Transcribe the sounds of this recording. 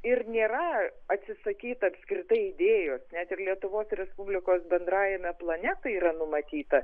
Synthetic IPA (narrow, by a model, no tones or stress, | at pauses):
ɪrnʲeːɾɐɐt̪ʲsʲɪsɐkʲiːt̪ɐːpʲskɾʲɪt̪ɐɪɪd̪ʲeːjoːsnʲɛt̪ɪrlʲiɛt̪ʊʋoːsɾʲɛspubʲlʲɪkoːsbʲɛnd̪ɾɑːjɛmʲɛplˠɐnʲæt̪ɐiːɾɐnʊmɐt̪ʲiːt̪ɐ